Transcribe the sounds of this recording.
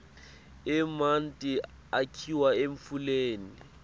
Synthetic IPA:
ɪman̩tʼi | akʰiwaeɱ̩fuleːni

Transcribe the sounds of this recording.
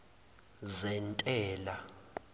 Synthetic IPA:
zɛntʼɛːla

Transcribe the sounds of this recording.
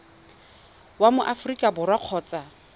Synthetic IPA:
wamʊʔafrikʼabʊrwaq͡χʰɔːt͡sʼa

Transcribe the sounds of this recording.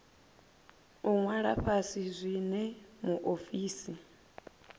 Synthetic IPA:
uŋwaɺa̰ɸasizʷinɛmuʔofiːsi

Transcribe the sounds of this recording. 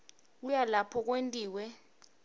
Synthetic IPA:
ujalapʰɔk̬wentʼiːwɛ

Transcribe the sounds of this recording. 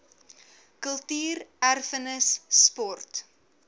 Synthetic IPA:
kəlˠtyːrærfənəsːpɔrt

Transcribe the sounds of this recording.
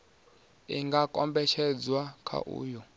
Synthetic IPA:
iŋɡakʼɔmbɛʃɛd͡zwakʰa̰ʔṵːjɔ

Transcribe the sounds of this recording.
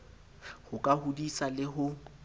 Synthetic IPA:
hʊkʼahudisalɪɦʊ

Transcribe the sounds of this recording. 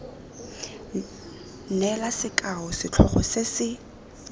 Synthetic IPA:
nɛlasɪkʼaʊsɪt͡ɬʰɔ̰χɔ̰sɪsɪ

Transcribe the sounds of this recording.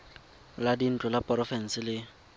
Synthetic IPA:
ladin̩t͡ɬʼʊlapʼɔrɔfɛn̩sɪlɪ

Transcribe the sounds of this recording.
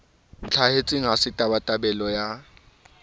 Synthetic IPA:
n̩t͡ɬʰahet͡sʼiŋasɪtʼabatʼabɛlɔja

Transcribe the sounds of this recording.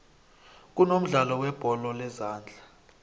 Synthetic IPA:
k̬unom̩ɮalɔwɛb̥ʱɔlɔlɛzaːnd͡ɮʱa

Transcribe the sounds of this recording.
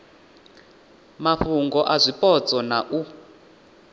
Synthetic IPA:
maɸuŋɡɔʔazʷipʼɔt͡sʼɔnaʔu

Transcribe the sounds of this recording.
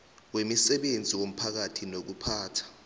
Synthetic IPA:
wemisɛɓend͡zʱiwom̩pʰak̬atʰinok̬upʰaːtʰḁ

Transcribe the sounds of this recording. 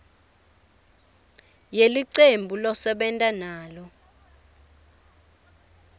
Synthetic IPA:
jeliǀembʱulɔsɛɓɛntʼanaːlɔ

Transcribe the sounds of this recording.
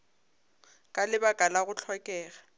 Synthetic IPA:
kʼalɪbakʼalaɣʊt͡ɬʰɔkʼɛːɣa

